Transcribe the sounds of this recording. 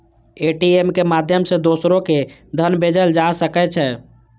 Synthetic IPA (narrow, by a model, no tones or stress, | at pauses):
eʈiemkemad̪ʱjəmsẽd̪osɾoked̪ʱənbed͡ʒəld͡ʒasəkɛt͡ʃʰɛ